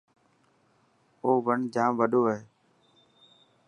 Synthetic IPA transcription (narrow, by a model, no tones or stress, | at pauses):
oːʋəɳd͡ʒãːmʋəɗoːəɦeː